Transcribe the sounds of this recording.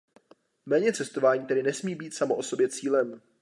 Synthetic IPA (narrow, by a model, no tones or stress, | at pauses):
mɛːɲɛt͡sɛst̪o̞vaːɲiːt̪ɛdɪnɛsmiːbiːt̪samoʔo̞so̞bjɛt͡siːlɛm